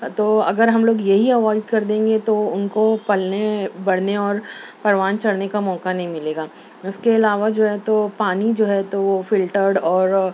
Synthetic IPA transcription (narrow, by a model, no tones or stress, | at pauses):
t̪oːɐɡəɾɦɐmloːɡjɐɦiɐʋɔːɪɖkɐɾd̪ẽːŋɡet̪oʊnkopɐlebɐɽ̤neɔːɾpɐɾʋaːnt͡ʃɐɽnekamɔːkanɐɦĩmɪleːɡaː | ʊskeɪlaːʋad͡ʒoːɦɛt̪opaːnid͡ʒoːɦɛt̪oʋofɪlʈəɾɖɔːɾ